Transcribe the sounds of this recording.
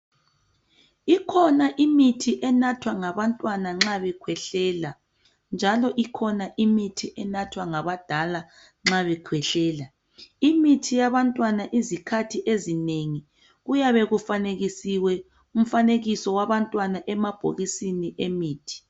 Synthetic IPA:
ikʰɔnaʔimitʰiʔɛnatʰwaŋaβantʼwanaŋ͡ǁaβɛkʰwɛɬɛːla | nd͡ʒʱalɔʔikʰɔnaʔimitʰiʔɛnatʰwaŋaβad̥ʱala | ŋ͡ǁaβɛkʰwɛɬɛːla | imitʰijaβantʼwanaʔizikʰatʰiʔezineŋi | ɣujaβɛɣufaneɣisiwɛ | um̩faneɣisɔwaβantʼwanaʔɛmab̥ʱo̰ɣisiniʔemiːtʰi̥

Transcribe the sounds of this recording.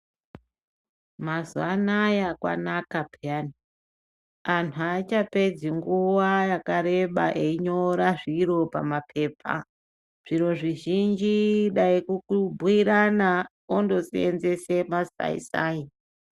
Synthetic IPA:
mazwanajakwa̰nakabʱiani | antʰuat͡ʃape̞d͡ziŋɡuwajakaɾe̞ɓaʔeiɲo̞ɾaʐiɾo̞pa̰mapʰe̞ːpʰa̰ | ʐ̥iɾo̞ʐiʒind͡ʒiɗaikukubʱuiɾana | ondo̞siḛnze̞se̞masa̰ḭsa̰i

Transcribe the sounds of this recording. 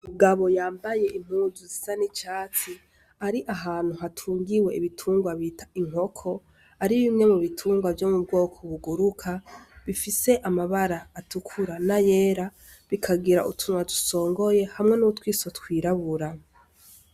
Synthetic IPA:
muɡaβo̞jaːmbaje̞ʔim̥huːzuzisanit͡ʃaːt͡si | aɾiʔaɦaːn̥huɦatʰuːŋɡiwe̞iβitʰuːŋɡwaβiːtḁiŋ̥o̞kʰo̞ | aɾiβimŋe̞muβitʰuːŋɡwavjo̞mubɡo̞ːkʰoβuɡuɾukʰaβifise̞ʔamaβaɾaːtukʰuɾanaje̞ːɾa | βikʰaɡiɾaʔṵtʰunwatu̥so̞ːŋɡo̞je̞hamŋe̞nutwiːso̞tkwiːɾaβuɾa

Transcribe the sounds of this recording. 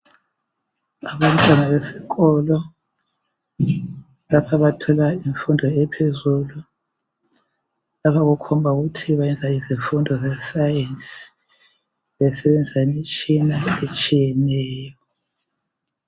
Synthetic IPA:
aβantʼanaβesiɣɔlɔ | lapʰaβatʰɔlaiɱfundʱɔɛpʰezulu | lapʰaɣukʰɔmbʱauɣutʰiβajɛnd͡zʱaiziɱfundʱɔzɛsajɛnsi̥ | βɛsɛβend͡zʱisainit͡ʃʼinaet͡ʃʼijɛnɛːjɔ

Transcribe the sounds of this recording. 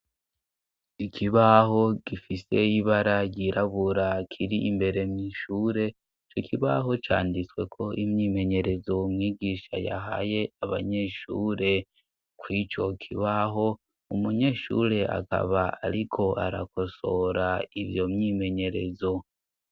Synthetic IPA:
ikʰiβaɦo̞ɡ̥ifise̞iβaɾaɟiɾʔaβuɾakʰiɾiimbe̞ɾe̞mɲiːʃuːɾe̞ | it͡ʃo̞kʰiβaɦo̞t͡ʃa̰ːndit͡swe̞kʰo̞ʔimɲimeɲe̞ɾe̞zo̞mŋiːɡiːʃa̰ja̰ɦa̰je̞aβa̰ɲe̞ʃuːɾe̞ | kwit͡ʃo̞kʰiβaɦo̞ | umuɲe̞ʃṵːɾe̞a̰ka̰βaa̰ɾikʰo̞ʔaɾa̰ko̞soɾaiβjo̞mɲime̞ɲe̞ɾe̞zo̞

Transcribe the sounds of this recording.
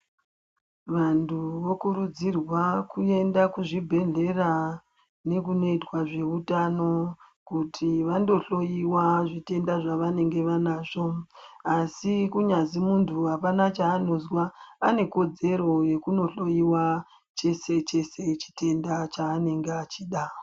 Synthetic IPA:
ʋantʰuʋo̞kuɾud͡zirwakue̞ndakuʐibʱe̞ɮe̞ra | ne̞kuno̞itwaʐe̞utano̞ | kutʰiʋando̞ɬo̞jiwaʐite̞ndaʐaʋane̞ŋɡe̞ʋanaːʐo̞asikuɲazimuntʰuɦapanat͡ʃaːno̞zwaːne̞ko̞d͡ze̞ɾo̞je̞kuno̞ɬo̞jiwa | t͡ʃe̞set͡ʃe̞set͡ʃi̥te̞ndat͡ʃaːne̞ŋɡeat͡ʃiːɗa

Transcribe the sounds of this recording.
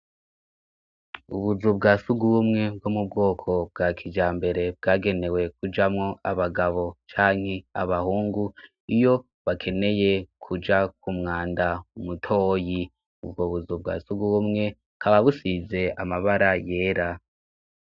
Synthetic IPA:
ṵβuzub̚ɡaːsuɡuwumŋe̞b̚ɡomub̚ɡo̞ːkʰo̞b̚ɡaːkʰid͡ʒaːmbe̞ɾe̞b̚ɡaːɡe̞ne̞we̞kud͡ʒamŋo̞aβaɡaβo̞t͡ʃaːŋ̥he̞a̰βahuːŋɡu | ijo̞ | βakʰe̞ne̞je̞kʰud͡ʒak̚ʰumŋaːndaumutʰoːji | ubɡoːβuzub̚ɡa̰ːsuɡuwumŋe̞ | kʰaβaβusize̞a̰maβaɾaje̞ːɾa

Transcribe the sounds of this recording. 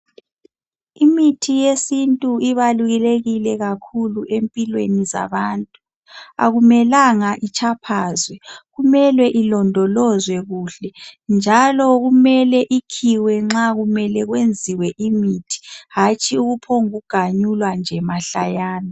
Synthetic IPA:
imitʰijesintʼuiβaluɣileɣilɛɣakʰuluʔempʼilwḛniza̰βaːntʼu | a̰ɣumɛlaŋaʔit͡ʃʼʰapʰaːzwɛɣumɛlwɛʔilɔndʱɔlɔzwɛɣuːɬɛnd͡ʒʱalɔɣumɛlɛʔikʰiwɛŋ͡ǁaɣumɛlɛɣwend͡zʱiwɛʔimitʰi̥ɦat͡ʃʼiuɣupʰoŋuɡ̥ʱaɲulwand͡ʒʱɛmaɬajaːnɔ

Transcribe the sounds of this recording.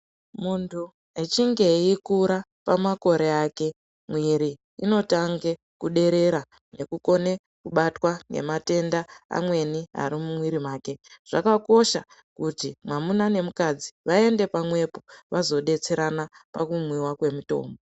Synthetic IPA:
muntʰu | et͡ʃiŋɡe̞ikuɾa | pamako̞ɾe̞aːke̞ | mwiɾi | ino̞taŋɡe | kuɗe̞ɾe̞ɾa | ne̞kuko̞ne̞ | kuɓatwaŋɡe̞̰mate̞ndaa̰mwe̞nia̰ɾimumwiɾimaːke̞ʐ̥akako̞ʃa̰ | kutimwamunane̞mukad͡ziʋae̞nde̞pamwe̞poʋazo̞ɗe̞t͡se̞ɾana | pakumwiwakwe̞muto̞̰ːmbo

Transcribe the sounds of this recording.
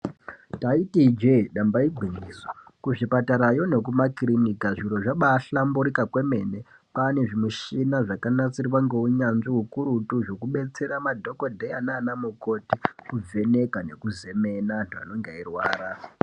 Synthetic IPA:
taitid͡ʒeɗambaiɡʱwinisokuʐipataɾajo̞ne̞kumakrinikaʐiɾo̞ʐaɓaːɬambuɾikakwe̞me̞ne̞ | pane̞ʐimuʃinaʐakanat͡siriwaŋɡe̞uɲanʐiɦukuɾutuʐo̞kuɓe̞t͡se̞ɾamadʱo̞ko̞dʱeananamuko̞tikub͡ve̞ne̞kane̞kuze̞me̞nanta̰no̞ŋɡeirwaːɾa

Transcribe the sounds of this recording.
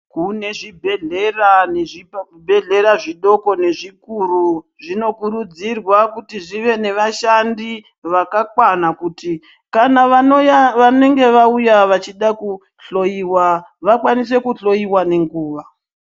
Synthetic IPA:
kune̞ʐibʱe̞ɮe̞raneʐikubʱe̞ɮe̞ɾaʐiɗo̞ko̞ne̞ʐikuɾu | ʐino̞kuɾud͡zirwakutiʐiʋe̞ne̞ʋaʃandi | ʋakakwanakuti | kanaʋaoaʋane̞ŋɡe̞ʋaujaʋat͡ʃiɗaku | ɬo̞iwaʋakwanis̬e̞kuɬo̞iwane̞ŋɡuːʋa

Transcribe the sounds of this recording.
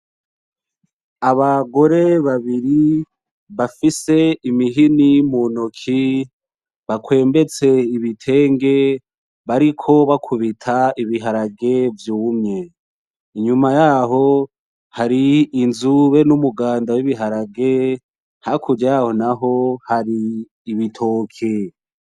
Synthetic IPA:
aβaɡo̞ɾe̞βaβiɾi | βafise̞imiɦinimunokʰi | βakwe̞ːmbe̞t͡se̞iβitʰe̞ːŋɡe̞ | βaɾikʰo̞βakʰuβitʰaiβiɦaɾaɡe̞vjuːmɲe̞ | iɲumajaɦo̞ | haɾiːnzuβe̞numuɡaːndawiβiɦaɾaɡe̞ | hakʰuɾɟaho̞naɦo̞haɾiː | βitʰoːkʰe

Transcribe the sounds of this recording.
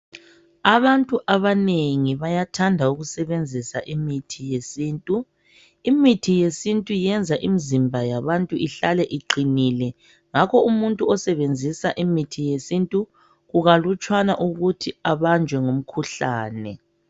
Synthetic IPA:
aβantʼuʔaβaneŋiβajatʰandʱauɣusɛβend͡zʱisaʔimitʰijesiːntʼu | imitʰijesintʼujɛnd͡zʱaʔimizimbʱajaβantʼuiɬalɛʔiǃinilɛ | ŋakʰɔumuntʼuɔsɛβend͡zʱisaʔimitʰijesintʼu | ɣuɣalut͡ʃʼwanaʔuɣutʰiaβand͡ʒʱwɛŋom̩kʰuɬaːnɛ

